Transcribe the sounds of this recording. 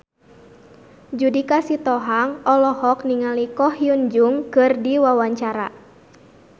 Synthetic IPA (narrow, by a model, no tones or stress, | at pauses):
d͡ʒudikasit̪ɔɦaŋɔlɔhɔkniŋalikɔhjund͡ʒuŋkɨrdiwawaɲt͡ʃaɾa̰